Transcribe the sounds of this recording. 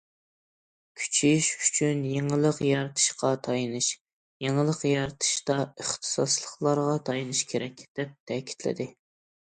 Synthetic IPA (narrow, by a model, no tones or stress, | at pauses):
kʲʰy̥t͡ʃʰiʃy̥t͡ʃʰynjeŋɨlˠəqjɑɾɨt̪ʰɨ̥ʃqɑt̪ʰɑjɨnɨʃ | jeŋɨlˠəqjɑɾɨt̪ʰɨ̥ʃt̪ɑəχt̪ʰɨ̥sɑslˠəχlˠɑɾʁɑt̪ʰɑjinɨʃkʲʰeɾɛkʲd̪̥ɛp̚t̪ʰɛkʲʰi̥t̪ʰlɪ̰d̪ɪ